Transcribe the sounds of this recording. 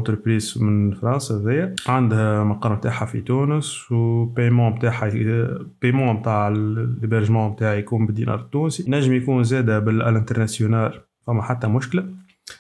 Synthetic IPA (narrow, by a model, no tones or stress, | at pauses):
ʔɑ̃t̪ɾəpɾiːzmɪnfɾˤɑ̃nsahðɪjːæʕand̪hæmɑqɑːɾˤmt̪aːħafḭt̪unəswpejmɑ̃ːbt̪aːħapejmɑ̃b̚t̪aːʕlːebɛɾʒəmɑ̃bt̪aːʕjkuːnbɪd̪ḭnʔɑ̰ːɾˤt̪ːuːnsinæʒːəmjkuːnzɛːd̪abɪlʔæ̰lɛ̃nt̪əɾˤnasjonaːl | fæmːaħat̪ːæmʊʃkla